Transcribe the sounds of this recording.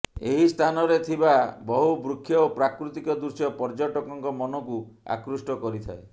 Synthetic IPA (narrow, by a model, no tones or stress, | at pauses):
ḛɦist̪ʰanɔɾet̪ʰibabɔɦubɾukʰːjɔopɾakɾut̪ikɔd̪uɾsjɔpɔɾd͡ʒɔʈɔkɔŋkɔmɔnɔkua̰kɾusʈɔkɔɾit̪ʰa̰e